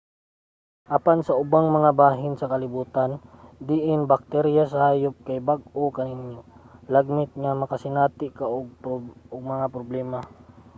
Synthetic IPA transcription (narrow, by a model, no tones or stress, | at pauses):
ʔɐpansɐʔʊbaŋmɐŋabaːɦɪnsɐkɐlɪbuːt̪and̪ɪʔɪnbɐk̚t̪ɛɾjasɐhaːjop̚kajbaɡ̚ʔokɐnɪnjolɐɡ̚mɪt̪̚ŋɐmɐkɐsɪnaːt̪ɪʔkaʔoɡ̚oɡ̚mɐŋapɾoblɛːma